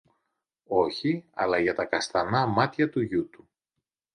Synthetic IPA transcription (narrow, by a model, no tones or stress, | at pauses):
o̞çiɐ̰lɐʝɐt̪ɐkɐst̪ɐnɐmɐt̪çɐt̪uʝut̪u